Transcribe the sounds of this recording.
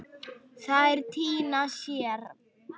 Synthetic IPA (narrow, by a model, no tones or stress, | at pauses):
θaðɛɾt̪ʰiːnasjɛːɾ̥